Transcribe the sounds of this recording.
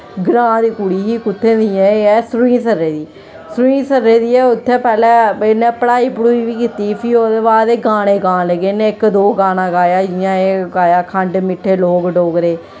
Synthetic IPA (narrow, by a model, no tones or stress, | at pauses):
ɡɾãːd̪iːkuɽiːɦiːkʊt̪ʰːẽːd̪ijɛ̃ːɛːsɾuĩːsəɾːeːd̪iː | sɾuĩːsəɾːeːd̪iːɛːʊt̪ʰːẽːpɛːlɛːenẽːpəɽaːiːpəɽuːiːʋiːkiːt̪iːpʰiːoːd̪eːβaːd̪eːɡaːɽ̃eːɡãːləɡeːnẽːɪkd̪oːɡaːnãːɡaːjaːd͡ʒɪjãːeːɡaːjaːkʰəɳɖmɪʈʰːeːloːɡɖoːɡɾeː